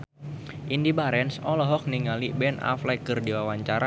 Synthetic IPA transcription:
ʔindibaɾɛnsɔlɔɦɔk̚niŋalibɛna̰flajkɨrdiwawaɲt͡ʃaɾa

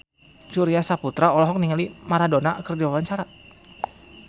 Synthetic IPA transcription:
suɾiasaput̪ɾaɔlɔɦɔk̚niŋalimaɾadonaʔkərdiwawaɲt͡ʃaɾa

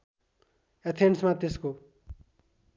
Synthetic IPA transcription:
et̪ʰeɳʈsmat̪esko

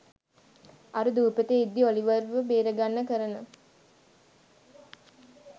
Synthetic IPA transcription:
aɾud̪uːpət̪eid̪ːioliʋəɾʋəbeːɾəɡanːəkəɾənə

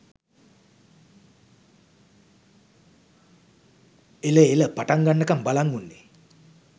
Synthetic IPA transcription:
eləeləpaʈaŋɡanːəkambalaŋɡunːe

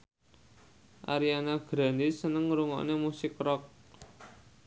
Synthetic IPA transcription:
ʔa̰ɾianaɡ̥ɾa̤ndisənəŋɾuŋɔ̰ʔnemusɪkrɔk̚

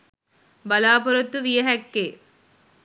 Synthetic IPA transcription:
bɐlaːpɔɾɐt̪ːuʋijɐɦɐkːeː

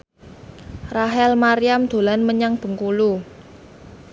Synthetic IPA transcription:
raɦɛlmaɾijamd̪̥o̤lanməɲaŋb̥ə̤ŋkulu

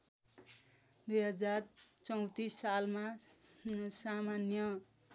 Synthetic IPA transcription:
d̪ujɦʌd͡zart͡sʌw̃t̪isːalma | samanjʌ

